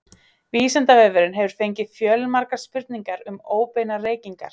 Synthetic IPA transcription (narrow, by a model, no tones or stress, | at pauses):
viːsɛnt̪avɛːvʏɾʏnɦɛvʏɾ̥fejɲcɪfjœːlmaɾkḁspʏɾt̪niŋkaɾʏmoːwpejnareːjciŋka̰ɾ̥